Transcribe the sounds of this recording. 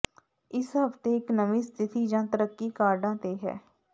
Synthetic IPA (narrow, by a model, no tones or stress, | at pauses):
ɪsɦəft̪eːɪknəʋĩːst̪ʰɪt̪iːd͡ʒãːt̪əɾəkːiːkaːɾɖãːt̪eːɦɛ̰ː